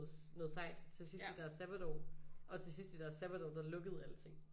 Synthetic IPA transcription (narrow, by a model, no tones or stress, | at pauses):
ð̩ˠnɔ̽ːðˠsɑ̈ɪ̰d̥t͡sʰe̝sisd̥id̥æɐɐsæb̥ɐd̥ɒʊʔɒ̽t͡sʰe̝sisd̥id̥æɐsæb̥æd̥ɒʊd̥ɑ̈lɔ̽ɡ̥əð̞̩ˠælət͡sʰe̝ŋ̰